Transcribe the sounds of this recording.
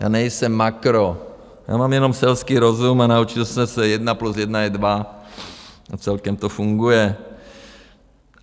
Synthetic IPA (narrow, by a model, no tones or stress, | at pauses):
ja̰ːnɛjsɛmːakɾo | ja̰ːmaːmjɛnomsɛlskiːɾo̞zumanaut͡ʃɪlsɛmsɛjɛdnaplusjɛdnaɛdva | at͡sɛlkɛmt̪ofuŋɡujɛ